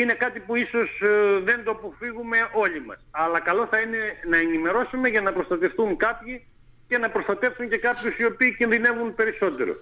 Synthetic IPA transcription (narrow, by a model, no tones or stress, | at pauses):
ine̞kɐt̪ipuiso̞zðe̞nd̪oɐpo̞fiɣume̞ʔo̞ʎimɐ̰sɐlɐkɐlo̞θɐine̞nɐenime̞ɾo̞sume̞ʝɐnɐpɾo̞st̪ɐt̪e̞fθuŋkɐpçi | ce̞nɐpɾo̞st̪ɐt̪e̞fsuɲce̞kɐpçusio̞piːcinðine̞vunpe̞ɾiso̞t̪e̞̰ɾo̞̰